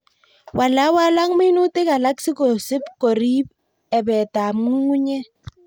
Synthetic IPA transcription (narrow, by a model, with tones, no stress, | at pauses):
wa˨la˦wa˦la˦ŋmɪ˦nu˦te˦ka˨la˦ksɪ˦ko˨sɪ˦pkɔ˨ɾi˦b̚ | ɛ˨bɛ˨ta˨m˨ŋu˦ŋu˦ɲɛ˦